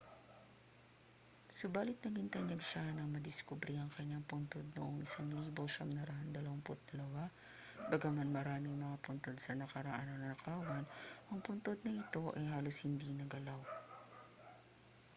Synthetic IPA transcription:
sʊbaːlɪt̪̚nɐɡɪnt̪ɐɲɐɡʃanɐŋmɐd̪ɪskubɾiʔɐŋkɐɲːaŋpʊnt̪od̪̚no̰ʔoŋʔɪsaŋliːboʃɐmnɐɾɐʔand̪ɐlɐwaŋpʊt̪̚d̪̥ɐlɐwa | bɐɡamanmɐɾaːmɪŋmɐŋapʊnt̪o̞d̪sɐnɐkɐɾɐʔanɐnɐɐkʰaːwɐnʔɐŋpʊnt̪od̪̚nɐʔɪt̪o̞ʔɐjɦaːlo̞shɪnd̪inɐɡɐlaw

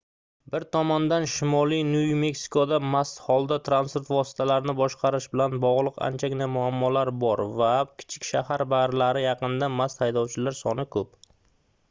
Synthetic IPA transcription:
bɪɾt̪ʰɒmɒnd̪anʃɪmɒlˠijnʊjme̞ksi̥kʰod̪amast̪hɒlˠd̪at̪ʰɾanspoɾt̪vɒsɪ̥t̪ʰalaɾɪnɪbɒʃqʰɑɾɪʃbɪlanbɒʁlˠɨqa̰nt͡ʃʰaɡʲɪnamʊamːɒlaɾbɒɾvakʲʰɪ̥t͡ʃʰɪkʲʃahaɾbaɾɪlaɾɪjɑqɨnd̪amast̪hajd̪ɒwt͡ʃʰɪlaɾsɒnɪkʰɵp

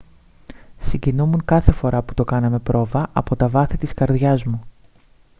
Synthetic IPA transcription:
siɲɟinumuŋkɐθe̞fo̞ɾʔɐpu̥t̪o̞kɐnɐme̞pɾo̞vɐʔɐpo̞t̪ɐvɐθit̪iskɐɾðʝɐzmu

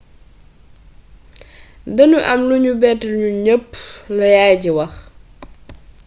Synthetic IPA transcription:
dɐnuʔɐmluɲubɛtɲuɲəpːlɐjaːjɟiwɐx

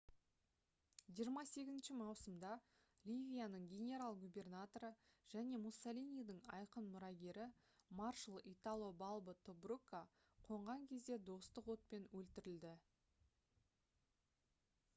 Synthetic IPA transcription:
ʒijəɾmɑse̞ɡʲɪzɪnʃɪmɑwsəmd̪ɑ | lʲivʲijanəɴɡʲe̞nʲe̞ɾalˠɡubʲe̞rnat̪o̞ɾəʒ̥æne̞musːolʲinijd̪əɴɑ̰jqənmʊɾɑɡʲe̞ɾɪ | marʃəlˠit̪alˠobɑlˠbət̪ʰobrukːa | qʰo̞ɴʁɑŋkʲʰe̞zd̪ed̪o̞st̪əqwo̞t̪̚pe̞nwɵlt̪ɪɾɪld̪ɪ

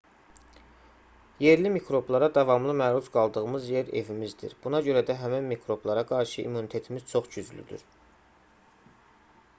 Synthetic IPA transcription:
je̞ɾlimikʰɾo̞blˠɑɾɑd̪ɑvɑmlˠɯmæɾuzɡɑlˠd̪ɯɣɯmɯzje̞ɾe̞̰vimizd̪ḭɾb̥unɑɟø̞ɾæd̪æɦæminmikʰɾo̞blˠɑɾɑɡɑɾʃɯʔḭmːunit̪ʰe̞t̪ʰimiz̥t͡ʃʰo̞χɟyzly̰d̪y̰ɾ

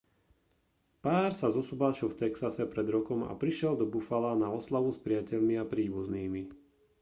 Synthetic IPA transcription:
paːɾsazɔsubaːʃɔʊft̪ɛksasɛpɾɛd̪ɾɔkɔma̰pɾiʃɪɛld̪ɔbufalanaɔslaʋuspɾɪacɛʎmiapɾiːbuzniːmi

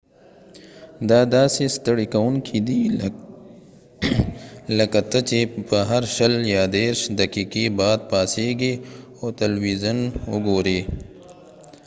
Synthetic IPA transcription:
d̪aːd̪aːsist̪ɐɽikɐwunkʰid̪iː | lɐkɐt̪ɐt͡ʃebɐɦɐɾʃɐljaːd̪eːɾʃd̪ɐkiːkiːbaːd̪̚paːseːɡi | oːt̪ɐlwiːzɐnʊɡoːɾiː

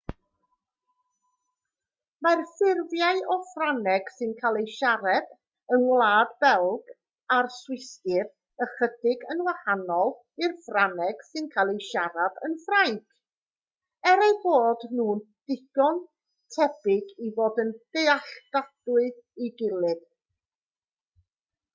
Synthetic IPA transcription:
marfɪrvjaɨɔfranɛɡ̥sɨnkʰalˠejʃaɾɛb̥ | ənwlˠaːdbɛlˠɡ̥ | arswɪstɪv | əχədɪɡənwahanɔlˠ | ɪrfranɛɡ̥sɨnkʰalˠejʃaɾab̥ə̰nfrajkʰ | ɛɾajboːdnuːn | d̥ɪɡ̥ɔn | tʰɛbɪɡivoːdənd̥ejaɬd̥ad̥wɨðiɡɪlˠɨð̥

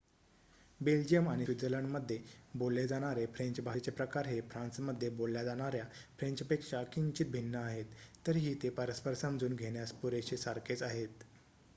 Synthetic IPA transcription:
beld͡ʑijəmaɽ̃iid͡zələɳməd̪ʱːjebolːed͡zaɽ̃aɾefɾẽɲt͡ɕbʱat͡ɕepɾəkaɾɦefɾãnt͡sməd̪ʱːjebolːjad͡zaɽ̃aɾjafɾẽɲt͡ɕpekʂakint͡ɕit̪̚bʱinːəaɦet̪ːəɾɦiːt̪epəɾəspəɾsəmd͡zuːnɡʱeɽ̃jaspuɾeɕesaɾkʰet͡saɦet̪

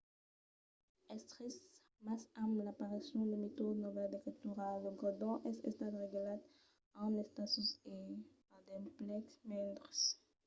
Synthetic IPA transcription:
ɛst̪χis | masamlapaʁisjɔ̃d̪əmet̪odnɔvɛld̪ekit̪yʁaləɡɔd̪ɔ̃ʔɛsɛ̰st̪at̪ʁeɡelat̪ | ãmlɛst̪asuse | ad̪ɛplɛksmɛ̃nd̪ʁs

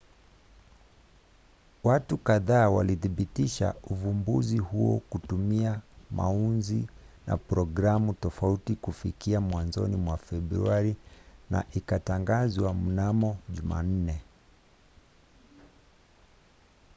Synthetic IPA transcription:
watukaðaːwa̰liθiɓitiʃa̰uvumbuzihuɔ̰kutumiama̰unzi | na̰pɾɔɡɾamutɔfautikufikiamwanzɔ̰nimwafɛbɾuaɾina̰ʔikataŋɡazwam̩namɔʄuma̰n̩nɛ

